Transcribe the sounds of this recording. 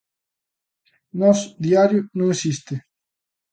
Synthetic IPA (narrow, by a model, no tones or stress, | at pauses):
nɔsd̪iaɾjunõŋesist̪e